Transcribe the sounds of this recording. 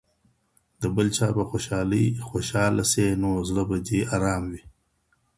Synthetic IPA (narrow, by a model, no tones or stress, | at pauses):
d̪̥əbəlt͡ʃɑːbaxoʃɑːləjxoʃɑːlasenoːzɽabad̪iaɾɑːmwi